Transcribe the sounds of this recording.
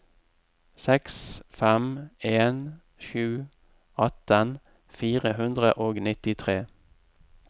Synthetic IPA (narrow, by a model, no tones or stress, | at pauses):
sɛksfɛmeːn | ʃʉː | ɑt̪ən | fiːʁəhʉnd̪ʁə̰ʔoːɡnɪt̪ɪt̪ʰʁeː